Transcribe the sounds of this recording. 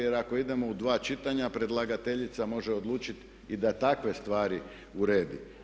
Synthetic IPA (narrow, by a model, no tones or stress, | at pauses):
jeɾako̞id̪e̞mo̞ud̪ʋaːt͡ʃit̪aɲapɾe̞d̪lˠaɡat̪e̞ʎit̪samo̞ʒeo̞d̪lˠuːt͡ʃit̪ | id̪at̪akʋe̞st̪ʋaːɾi | uɾeːd̪i